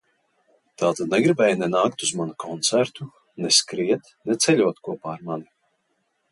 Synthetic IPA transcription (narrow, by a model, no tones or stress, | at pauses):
t̪aːt̪ad̪nɛɡɾibɛːjnɛnaːkt̪uzmanukʰɔnt̪sæɾt̪u | nɛskɾiɛt̪ | nɛt̪sɛlʲuɔt̪kuɔpaːɾmani